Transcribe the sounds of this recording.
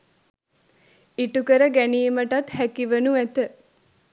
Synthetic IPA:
iʈukəɾəɡæniːməʈat̪hækiʋənuæt̪ə

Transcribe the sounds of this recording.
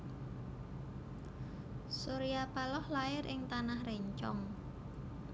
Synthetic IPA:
soɾiapalɔhlaɪɾʔɪŋt̪anahreɲt͡ʃɔ̰ŋ

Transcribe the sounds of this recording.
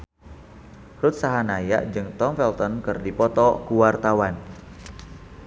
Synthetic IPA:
rut̪̚saɦanaja̰ʔd͡ʒɨŋt̪ɔmfɛlt̪ɔnkɨrdipɔt̪ɔkuwart̪awan

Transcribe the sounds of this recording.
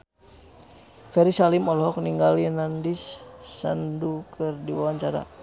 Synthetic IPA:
fɛɾisalimɔlɦɔk̚niŋɡalinandisːandukərdiwawaɲt͡ʃaɾa̰

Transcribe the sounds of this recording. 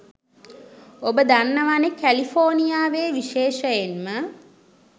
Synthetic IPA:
obəd̪anːəʋanekælifoːnijaːʋeːʋiʃeːʃəjenmə

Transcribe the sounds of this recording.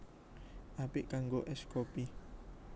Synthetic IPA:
ʔapiʔkaŋɡoʔeʃkopi

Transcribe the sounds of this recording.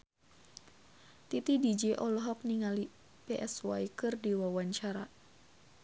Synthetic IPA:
t̪it̪idid͡ʒɛʔɔlɔɦɔk̚niŋali | pɛʔɛswaikɨrdiwawaɲt͡ʃaɾa

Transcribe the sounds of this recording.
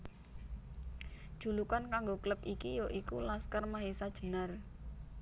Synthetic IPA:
d̥ʒ̥ṳlukankaŋɡokləpikijoʔikulaskərmaɦisad̥ʒ̥ə̤nər

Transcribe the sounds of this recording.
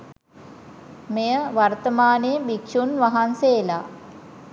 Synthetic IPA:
mejəʋart̪əmaːnebikʂunʋaɦanseːla

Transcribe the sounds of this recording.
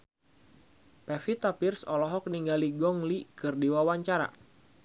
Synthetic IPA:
pɛfit̪apirsɔlɔɦɔk̚niŋɡaliɡɔŋlikɨrdiwawaɲt͡ʃaɾa̰

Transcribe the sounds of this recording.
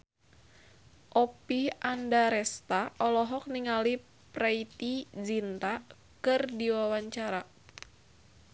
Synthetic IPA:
ʔɔpiandaɾɛst̪aʔɔlɔɦɔk̚niŋali | pɾait̪id͡ʒint̪a | kɨrdiwawaɲt͡ʃaɾa

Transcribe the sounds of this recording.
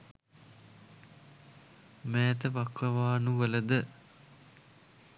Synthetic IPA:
mæːt̪əʋakʋɐʋaːnuʋələd̪ə

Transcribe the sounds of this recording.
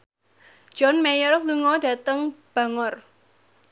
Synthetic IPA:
d͡ʒ̥ɔnmejɔrfluŋɔda̤t̪əŋb̥a̤ŋɔr

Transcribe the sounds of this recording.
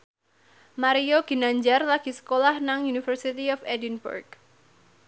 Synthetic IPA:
maɾioɡ̥i̤naɲd͡ʒarlaɡ̥isə̥kolahnaŋjunifərsit̪iɔfɛdinbṵrɡ

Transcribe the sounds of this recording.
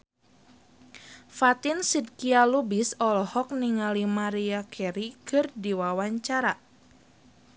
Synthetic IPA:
fat̪insid̚kialubisɔlɔhɔk̚niŋalimaɾiakʰɛɾikɨrdiwawaɲt͡ʃaɾa

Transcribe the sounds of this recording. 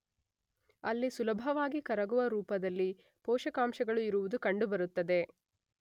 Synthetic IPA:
ɐlːisulɐbʱɐʋaːɡikɐɾɐɡuʋɐɾuːpɐd̪ɐlːi | pɔːʃɐkaːmʃɐɡɐɭuiɾuʋud̪ukɐɳɖubɐɾut̪ːɐd̪e̞

